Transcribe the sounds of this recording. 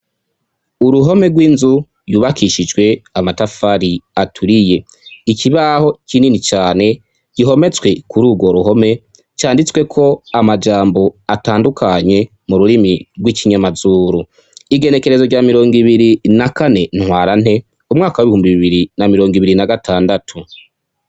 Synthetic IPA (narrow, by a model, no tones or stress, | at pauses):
uɾuɦo̞me̞ɡwiːnzu | juβakʰiʃid͡ʒɡwe̞amatafaɾiatʰuɾije̞ | ikiβaho̞cininit͡ʃaːne̞ | ɟ̥iɦo̞me̞t͡swe̞kuɾuːɡwo̞ɾuɦo̞me̞ | t͡ʃaːndit͡swe̞kʰo̞amad͡ʒaːmbo̞ataːndukʰaɲe̞ | muɾuɾimiɾɡwiciɲamazuːɾu | iɡe̞ne̞ke̞ɾe̞zo̞ɟaːmiɾo̞ːŋɡiβiɾinakane̞nhwaːɾan̥he̞ | umŋaːkawiβihuːmbiβiβiɾinamiɾo̞ːŋɡiβiɾinaɡatʰaːndatʰu